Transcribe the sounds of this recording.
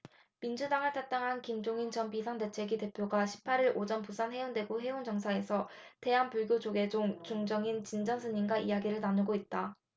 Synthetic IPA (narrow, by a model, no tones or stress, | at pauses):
mind͡ʑudaŋɯɭtʰat͈aŋɦankimd͡ʑoŋint͡ɕʌnpisʰaŋde̞t͡ɕʰe̞ɡide̞pʰjoɡaɕʰi̥pʰːaɾiɾʔod͡ʑʌnpusʰanhe̞joŋdwe̞ɡoɦe̞ond͡ʑʌŋsʰae̞sʰʌte̞ɦanpuɭɡjod͡ʑoɡe̞d͡ʑoŋt͡ɕoŋd͡ʑʌŋint͡ɕind͡ʑʌnsʰɯɲinɡaʔijaɡiɾɯɭnanɯɡoit̚t͈a